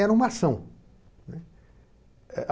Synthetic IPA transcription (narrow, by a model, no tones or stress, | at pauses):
ɛɾɐ̃ũmɐasɐ̃w̃ | nɛ | ɛʔ